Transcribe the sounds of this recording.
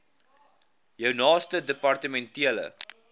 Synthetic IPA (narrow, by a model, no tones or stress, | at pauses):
jəwnɑːstədəpɐrtəmɛntiələ̰